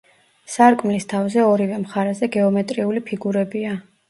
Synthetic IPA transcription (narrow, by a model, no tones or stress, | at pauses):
saɾkʼmlist̪ʰavzɛɔɾivɛmχaɾɛzɛɡɛɔmɛt̪ʼɾiulipʰiɡuɾɛbia